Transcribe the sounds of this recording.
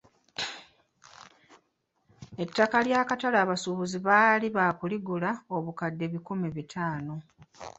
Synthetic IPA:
e̞tːakaljaːkatalaːβasuβuziβaːliβaːkuliɡulao̞βukadːe̞βikumiβitʰaːno̞

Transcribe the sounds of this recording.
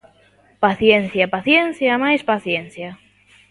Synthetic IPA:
paθjen̟θjapaθjen̟θjamajspaθjen̟θja

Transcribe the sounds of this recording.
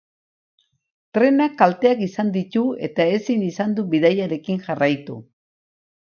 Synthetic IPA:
t̪ɾe̞nakːalt̪e̞akisand̪it̪ue̞̰t̪ae̞sinisand̪uβiðajaɾe̞kiŋʝarajt̪ṵ

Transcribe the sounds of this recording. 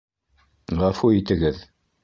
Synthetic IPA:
ʁɑfuit̪ɘ̆ɡɘð

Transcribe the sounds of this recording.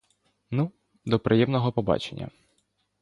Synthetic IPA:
nu | d̪ɔpɾʔɪjɛmnɔɦɔpɔbɑ̰t͡ʃḛnʲːɐ̰

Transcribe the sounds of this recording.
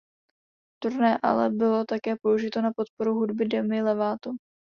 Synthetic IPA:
t̪uɾnɛːʔa̰lɛbɪlo̞t̪akɛːpo̞uʒɪt̪o̞napo̞t̪̚po̞ɾuɦudbɪdɛmɪlɛvaːt̪u

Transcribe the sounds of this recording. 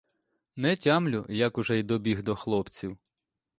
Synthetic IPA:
nɛtʲamlʲʊjɐkʊʒɛjd̪ɔbʲiɦd̪ɔxlˠɔpt͡sʲiw

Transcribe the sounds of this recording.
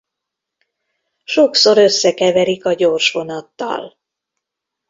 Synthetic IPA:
ʃokso̞ɾø̞sːɛkɛvɛɾikɒɟoːrʃʋo̞nɒt̪ːɒ̰l

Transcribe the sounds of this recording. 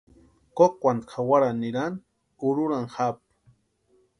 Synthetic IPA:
kokʷant̪xawaɾaniɾan | ʊɾʊɾaŋxap̚

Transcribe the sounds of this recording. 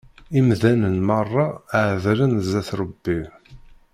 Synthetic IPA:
imðænənmɑrˤːɑʕðɾənzæθɾˤəbːi

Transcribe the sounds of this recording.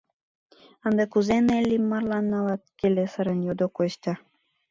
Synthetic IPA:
ənd̪ekuzenelʲːimːɑrlɑnːɑlɑt̪̚kelesəɾənjod̪okost̪ʲɑ

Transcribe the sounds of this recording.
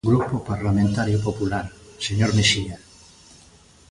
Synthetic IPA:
ɡɾupopaɾlamẽnt̪aɾjopopulaɾseɲoɾmeʃia

